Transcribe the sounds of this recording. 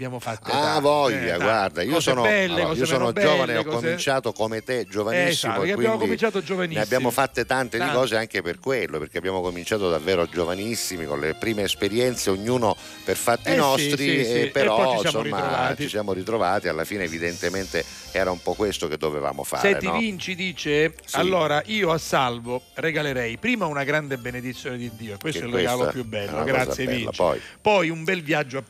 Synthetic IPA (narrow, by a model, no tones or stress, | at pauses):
bjaaavɔjːaɡward̪aiːosɔːnolːiːosɔːnod͡ʒoːvaneɔkkːomint͡ʃaːt̪okomet̪ed͡ʒovanisːimokwinmd̪imit͡ʃat̪od͡ʒovanneabːjaːmofat̪ːet̪ant̪ed̪ikɔːzeaŋkeperkwelːopeɾrk̟eabjaːmokomint͡ʃaːt̪od̪avːɛːɾod͡ʒovanisːimikonlepɾiːmeːspeɾjɛnt̪seoɲːuːno | perfat̪ːinɔsst̪ɾipeɾpɔɔjisamoɾimaovat͡ʃt͡ʃisjaːmoɾit̪ɾovaːt̪ialːafiːneːvid̪ent̪ement̪e | ɛːɾaumpɔkːwest̪oked̪ːoveva̰ːmo̰fa̰ːseɾtɾḛnːivint͡ʃid̪iːt͡ʃe | salːoːɾaʔiːoasːalvo | reɡaleɾɛjpɾiːmaunaɡɾand̪ebened̪it̪sːjoːned̪id̪ːiːoekːwest̪ɛlrɡaaːlopjubːɛlːɛ̰ːoaɡɾat̪za̰sjevinːa̰t͡ʃpiɔ̰jpɔjumbɛlvjad͡ʒːoa